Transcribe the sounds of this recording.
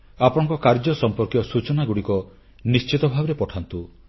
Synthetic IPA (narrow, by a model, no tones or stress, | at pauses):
apɔɽ̃ɔ̃ŋkɔkaɾd͡ʒɔsɔmpɔɾkjɔsut͡ʃɔnaɡuɽikɔ | nist͡ʃit̪ɔbʱabɔɾepɔʈʰant̪u